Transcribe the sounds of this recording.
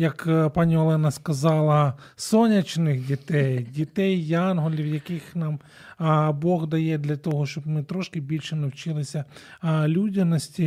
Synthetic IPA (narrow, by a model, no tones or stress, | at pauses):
jɐkpanʲiɔlˠɛnɐskɐzɑlˠɐ | sɔnʲɐt͡ʃnɪxdʲit̪ɛjdʲit̪ɛjːɑnɦɔlʲiwjɐkɪxnɑm | bɔɣd̪ɐjɛd̪lʲɐt̪ɔɦɔʃt͡ʃɔbmɪt̪ɾɔʃkɪbʲilʲʃɛnɐwt͡ʃɪlˠɪsʲɐlʲudʲɪnɔsʲtʲi